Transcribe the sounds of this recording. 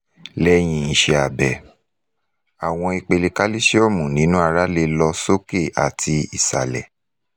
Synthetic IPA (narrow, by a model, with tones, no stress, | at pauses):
lɛ˦j̃ĩ˧ĩ˨˧ʃe˧a˨bɛ˨ | a˨w̃ɔ̃˧i˧k͡pe˧le˧ka˦li˦ʃe˦o˦˨mũ˨nĩ˨˦nũ˦a˧ɾa˦le˧lɔ˧so˦ke˦˨a̰˨tʰi˧i˨sa̰˨lɛ˨